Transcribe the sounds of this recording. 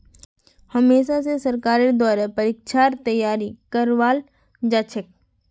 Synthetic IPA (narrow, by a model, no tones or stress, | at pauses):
həmeːʃas̬esəɾkaːɾed̪ɔːɾepəɾɪkʃʰaːɾt̪əjːaːɾikəɾʋaːl | d͡ʒaːt͡ʃʰɪk̚